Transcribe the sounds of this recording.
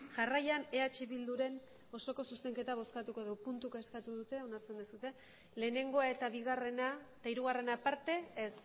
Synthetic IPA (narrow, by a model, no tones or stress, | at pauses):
ʝarajane̞at͡ʃiβild̪uɾe̞n | o̞so̞ko̞suse̞ŋke̞t̪aβ̞o̞skat̪uko̞ðewpunt̪ukeskat̪uðut̪e̞o̞naɾt͡se̞nd̪esut̪e̞ | le̞ːne̞ŋɡo̞ae̞t̪aβiɣare̞naet̪aiɾuɣ̞are̞napaɾt̪e̞es